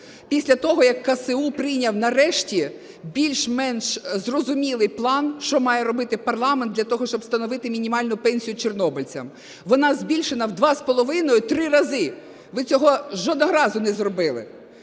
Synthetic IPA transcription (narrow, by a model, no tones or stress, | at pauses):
pʲisʲlʲɐt̪ɔɦɔjɐkːɐseupɾɪjnʲɐwnɐrɛʃtʲi | bʲilʲʃmɛnʃzrɔzʊmʲilˠɪjplˠɑnʃt͡ʃɔmɑjɛɾɔbɪt̪ɪpɐrlˠɑmend̪ʲlʲɐt̪ɔɦɔʃt͡ʃɔbst̪ɐnɔʋɪt̪ɪmʲinʲimɑlʲnʊpɛnʲsʲijʊt͡ʃernɔbɔlʲt͡sʲɐ̰m | ʋɔnɑzbʲilʲʃenɐwd̪ʋɑspɔlˠɔʋɪnɔjʊt̪ɾɪɾɐzɪ | ʋɪt͡sʲɔɦɔʒɔd̪nɔɦɔɾɑzʊnɛzrɔbɪlˠɪ̰